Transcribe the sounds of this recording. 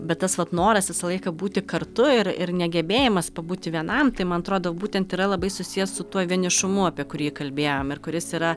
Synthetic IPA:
bʲɛt̪t̪ɐsʋɐt̪noːɾɐsʋʲɪsɐlˠɐɪkɐbuːt̪ʲɪkɐɾt̪ʊɪɾɪɾnʲɛɡʲɛbʲeːjɪmɐspɐbuːt̪ʲɪʋʲiɛnɐmt̪ɐɪmɐnɐt̪ɾoːd̪ɐʋbuːt̪ʲɛnt̪ɪɾɐlˠɐbɐɪsʊsʲijɛssʊt̪uɔʋʲiɛnʲɪʃʊmʊɐpʲiɛkʊɾʲjiːkɐlʲbʲeːjoːmɪrkʊɾʲɪsiːɾɐ

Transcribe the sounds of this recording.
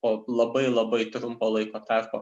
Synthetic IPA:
oːlˠɐbɐɪlˠɐbɐɪt̪ɾʊmpoːlˠɐɪkoːt̪ɐɾkoː

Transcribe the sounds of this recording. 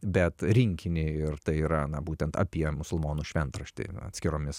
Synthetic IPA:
bʲɛt̪ɾʲɪŋʲkʲɪnʲɪɪrt̪ɐɪiːɾɐnɐbuːt̪ʲɛnt̪ɐ̰pʲiɛmʊsʊlˠmoːnuʃʲʋʲɛnt̪ɾɐʃʲt̪ʲɪ̰ɐ̰t̪ʲsʲkʲɪɾoːmʲɪs

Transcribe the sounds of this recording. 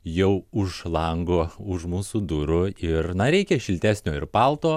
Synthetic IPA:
jɛʊʊʃlˠɐŋɡoːʊʃmuːsuːd̪ʊɾʊɪɾnɐɾʲɛɪkʲɛʃʲɪlʲt̪ʲæːsʲnʲoːɪɾpɑlˠt̪oː

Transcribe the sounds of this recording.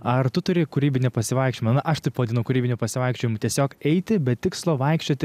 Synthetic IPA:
ɐrt̪ʊt̪ʊɾʲɪkʊɾʲiːbʲɪnʲɛpɐsʲɪʋɐɪkʃʲt͡ʃʲomɐnɐʔɐʃt̪ɐɪpʋɐd̪ʲɪnɐʊkʊɾʲiːbʲɪnʲʊpɐsʲɪʋɐɪkʃʲt͡ʃʲoːjɪmʊt̪ʲiɛsʲoːkɛɪt̪ʲɪbʲɛtt̪ʲɪkslˠoːʋɐɪkʃʲt͡ʃʲoːt̪ʲɪ

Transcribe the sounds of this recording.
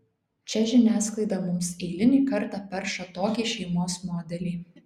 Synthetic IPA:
t͡ʃʲɛʒʲɪnʲæːsklˠɐɪd̪ɑmʊmsɛɪlʲɪnʲiːkɐɾt̪ɑˑpʲɛɾʃɐt̪oːkʲiːʃʲɛɪmoːsmoːd̪ʲɛlʲiː

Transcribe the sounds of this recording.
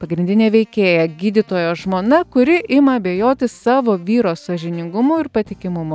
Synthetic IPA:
pɐɡɾʲɪnʲd̪ʲɪnʲeːʋʲɛɪkʲeːjɛɡʲiːd̪ʲɪt̪oːjoːʒmoːnɐkʊɾʲɪɪmɐɐbʲeːjoːt̪ʲɪssɑːʋoːʋʲiːɾoːssɐʒʲɪnʲɪŋɡʊmoːɪɾpɐt̪ʲɪkʲɪmʊmo

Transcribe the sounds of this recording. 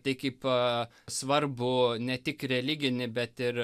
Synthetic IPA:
t̪ɐɪkɐɪpː | sʋɐɾbʊnʲɛt̪ʲɪkɾʲɛlʲɪɡʲɪnʲɪbʲɛt̪ɪɾ

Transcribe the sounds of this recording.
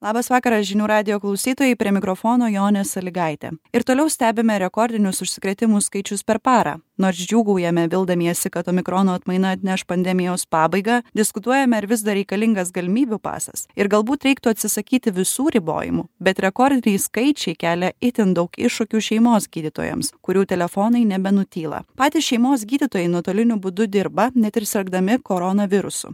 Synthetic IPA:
lˠɑːbɐsʋɑːkɐɾɐsʒʲɪnʲuːɾɑːd̪ʲɪjoːklˠɐʊsʲiːt̪oːjɛɪpʲɾʲiɛmʲɪkɾofoːnoːjoːnʲɛsɐlʲɪɡɐɪt̪ʲɛ̰ɪɾt̪oːlʲɛʊsʲt̪ʲæːbʲɪmʲɛɾʲɛkɔːɾʲd̪ʲɪnʲʊsʊʃʲsʲɪ̥kɾʲɛt̪ʲɪmʊskɐɪt͡ʃʲʊspʲɛɾpɑːɾɑ̰noːɾsd͡ʒʲuːɡɐʊjɛmʲɛʋʲɪlˠd̪ɐmʲiɛsʲɪkɐt̪oːmʲɪkɾoːnoːɐt̪mɐɪnɐɐt̪ʲnʲɛʃpɐnʲd̪ʲɛmʲɪjoːspɑːbɐɪɡɑːd̪ʲɪskʊt̪uɔjɛmʲɛɪɾʋʲɪzd̪ɐɾʲɛɪkɐlʲɪŋɡɐsɡɐlʲɪmʲiːbʲupɑ̰ːsɐ̰sɪɾɡɐlˠbuːt̪ɾʲɛɪkt̪ʊɐt̪ʲsʲɪsɐkʲiːt̪ʲɪʋʲɪsuːɾʲɪbo̰ːjɪ̰mʊbʲɛt̪ɾʲɛkɔːɾʲd̪ʲɪnʲɛɪskɐɪt͡ʃʲɛɪkʲæːlʲɛɪt̪ʲɪnd̪ɐʊkɪʃʊkʲuːʃʲɛɪmoːsɡʲiːd̪ʲɪt̪o̰ːjɛ̰mskʊɾʲuːt̪ʲɛlʲɛfoːnɐɪnʲɛbʲɛnʊt̪ʲiːlˠɐ̰pɑːt̪ʲɪsʃʲɛɪmoːs̬ɡʲiːd̪ʲɪt̪oːjɛɪnuɔt̪oːlʲɪnʲʊbʊd̪ʊd̪ʲɪɾbɐnʲɛt̪ɪɾsʲɛlɡd̪ɐmʲɪkoɾonɐʋʲɪɾʊsʊ̰

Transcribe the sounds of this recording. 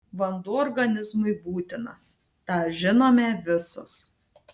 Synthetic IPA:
ʋɐnd̪uːɔːɾɡɐnʲɪzmʊɪbuːt̪ʲɪnɐs | t̪ɑːʒʲɪnoːmʲɛʋʲɪsʊs

